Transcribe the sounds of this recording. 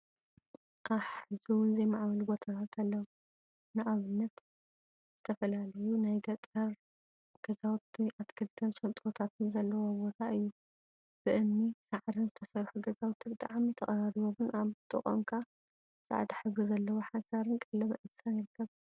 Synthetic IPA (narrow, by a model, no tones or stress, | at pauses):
ʔaħɨzuwʊnzɐjmaʕβɐlbot̪ʰat̪at̪ʰɐlːɐw | nɨʔaβɨnːɐt̪ | z̥ɨt̪ʰɐfɐlalɐjunajɡɐt̪ʼɐɾ | ɡ̥ɐzawt̪ːiʔat̪kʰɨlt̪ʰɐnsʼɐt̪ʼot̪ʰat̪ʰɨnzɐlːɐwo̞bo̞t̪ʰaʔɨjːu | b̥ɨʔɨnːisaʕd̪ɨnzɨt̪ʰɐsɐɾħuɡɐzawt̪ʰːibɨt̪ʼa̰ʕmit̪ʰɐχʼɐɾaɾiβomɨnʔaβt̪ʼɨχʼo̰ŋkʰa | sa̰ʕd̪iħɨɡuzɐlːɐwoħasɐɾɨnkʼɐlːɐmɐʔɨd̪ɨsanɪɾɨkʰːɐβ